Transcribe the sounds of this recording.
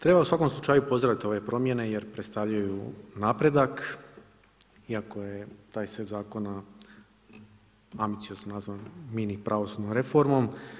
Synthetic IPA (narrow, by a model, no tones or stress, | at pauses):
t̪ɾe̞bausʋako̞mslˠut͡ʃaːjupo̞zd̪ɾaʋit̪io̞ʋe̞pɾo̞mje̞ne̞je̞ɾpɾe̞t̪st̪aʋʎajunaːpɾe̞d̪ak | iako̞je̞t̪aːjsed̪zaːko̞na | ambit̪ijo̞znonazʋanminipɾʔaʋo̞sud̪nomɾe̞fo̞ɾmo̞m